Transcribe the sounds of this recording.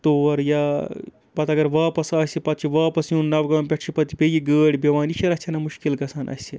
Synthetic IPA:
t̪oɐɾjaː | pɐt̪ɐɡɐɾʋaːpɐsaːsipɐt̪̚t͡ʃʰiʋaːpɐsjũnnːɐʋɡãːmpʲeʈʰt͡ʃʰipɐt̪ipʲejiɡəːɽʲbeʋaːniʃʰɐɾɐsʲt͡ʃʲʰɐnɐmuʃkilkɐsʰɐːnʔɐ̰si

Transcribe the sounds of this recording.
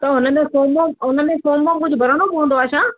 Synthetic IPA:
t̪ɐɦʊnəmẽfoːmõɦʊnəẽsoːmmãkʊd͡ʑʱʊbʱɐɾəɽ̃obɪɦũːnd̪oaːʃãː

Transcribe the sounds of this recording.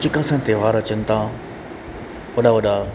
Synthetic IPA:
t͡ʃɪkãsãːt̪eʋaːɾɐt͡ɕənt̪ã | oɗaʋɐɗaː

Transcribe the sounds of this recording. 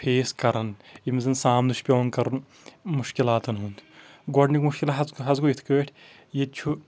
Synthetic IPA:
pʰeːskɐɾɐnimizɐnsaːmd̪uʃpʲoːnkɐɾun | muʃkilaːt̪ɐnɦuːnt̪ʰɡɔɖnikmuʃkilaɦɐzɦɐzɡuit̪ʰkɐʋeʈʰʲ | jet͡ʃʰu

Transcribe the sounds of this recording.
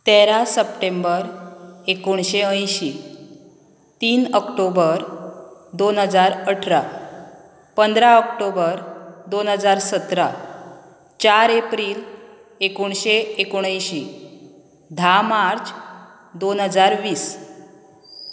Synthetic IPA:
t̪eɾasəp̚ʈembəɾekoɳɕeə̃jɕi | t̪iːnəkʈobəɾd̪onɦəd͡zaɾəʈʰɾa | pənd̪ɾaəkʈobəɾd̪onɦəd͡zaɾsət̪ɾa | t͡ɕaɾepɾiːl | ekoɳɕeekoɽ̃ə̃jɕi | d̪ʱamaɾt͡s | d̪onɦəd͡zaɾʋiːs

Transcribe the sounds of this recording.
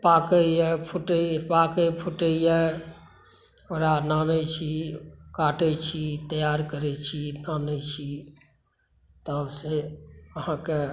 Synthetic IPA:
paːkeɛpʰʊʈepaːkepʰʊʈəiɛ | oɾanaːnet͡ʃʰikaːʈet͡ʃʰit̪əjaːɾkəɾet͡ʃʰinaːnet͡ʃʰi | t̪əseəɦãke

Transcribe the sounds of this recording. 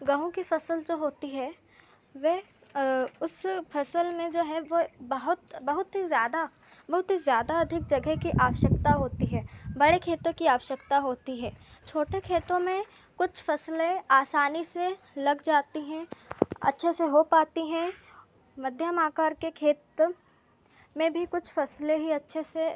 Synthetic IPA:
ɡɐ̃ɦũkifɐsəld͡ʒoːɦoːt̪iɦɛː | ʋɛ | ʊsfʰɐsəlmẽd͡ʒoːɦɛʋobɐɦʊt̪bɐɦʊt̪ɦizjaːd̪a | bɐɦʊt̪ɦizjaːd̪aɐd̪ʱɪk̚d͡ʒɐɡəkiʔaːʋəʃəkt̪aɦoːt̪iɦɛːbɐɽekʰeːt̪õkiaːʋəʃəkt̪aɦoːt̪iɦɛːt͡ʃʰoːʈekʰeːt̪õmẽ | kʊt͡ʃʰfɐslẽaːsaːnise | lɐɡd͡ʒaːt̪iɦɛ̃ɐ̰tːʃʰeseɦopaːt̪iɦɛ̃ | mɐd̪ʱjəmaːkaːɾkekʰeːt̪ | mẽbʱikʊt͡ʃʰfɐsleɦiɐtːʃʰese

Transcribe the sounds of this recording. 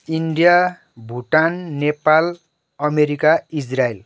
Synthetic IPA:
iɳɖija | bʱuʈanːepal | ʌmeɾikaid͡zrael

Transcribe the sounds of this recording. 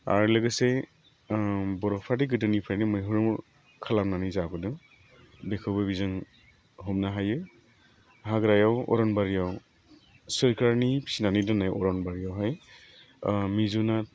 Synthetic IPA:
a̰ɹləɡɯse | bɔɾɔpʰadiɡɯdɯnipʰajnimɔjɦɯɹum | kʰalamnanizabɯdɯ | bekʰɯwbɯbizɯŋ | ɦɔmnaɦajɯ | ɦaɡɾajawɔ̰ɾɔnbaɾijaw | sɯɾkaɹnipʰi̥sinanidɔnajɔɾɔnbaɾiawɦaj | mizunat̚

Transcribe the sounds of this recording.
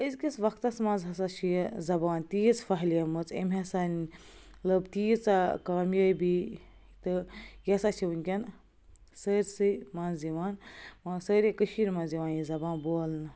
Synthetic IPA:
əzʲkʲit͡sʋɐkʰt̪ɐsmɐnzɦɐs̬at͡ʃʰijzɐbaːnt̪iːjit͡sfɐɦljɐmɨt͡sḛmʲɦɐsan | lɐbt̪iːjt͡sakaːmjɐːjbi | t̪ɨjɐsat͡ʃʰiwunkʲɐn | səːɾʲsɨmaːnziʋaːnmãsəːɾʲekəʃiːɾmɐnziʋaːnjizɐbaːnbolnɨ

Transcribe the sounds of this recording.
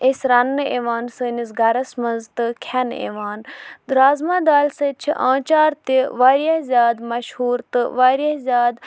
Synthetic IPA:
esʲɾɐnːɨḛːʋaːnsɨːnisɡɐɾɐsmɐnzt̪ɨkʲʰɐnḛːʋaːnd̪ɾaːzmãːd̪aːlsɐt͡ʃʰiʔã̰ːt͡ʃaːɾt̪iʋaːɾjɐzʲjaːd̪mɐʃhuːɾt̪ɨʋaːɾjɐzʲjaːd̪

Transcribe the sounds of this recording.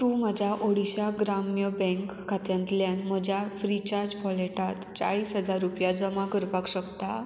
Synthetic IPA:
t̪ũːməd͡ʑʱaʔoɽiɕaɡɾamjəbɛ̃ŋkːʰat̪jãnt̪ljanməd͡ʑʱjafɾit͡ɕaɾd͡ʑpɔleʈat̪t͡sa̰ɭiːsɦəd͡zaɾːupjad͡zəmakəɾpakɕəkt̪a

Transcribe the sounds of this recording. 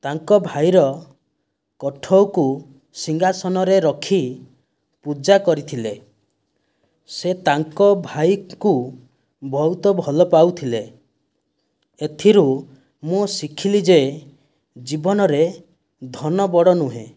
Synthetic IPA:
t̪aŋkɔbʱajɾɔ | kɔʈʰɔwku | siŋɡasɔnɔɾeɾɔkʰi | pud͡ʒakɔɾit̪ʰile | set̪aŋkɔbʱajku | bʱɔwt̪ɔbʱɔlɔpawt̪ʰile | et̪ʰiɾu | musikʰilid͡ʒe | d͡ʒibɔnɔɾe | d̪ʱɔnɔbɔɽɔnuɦḛ̃

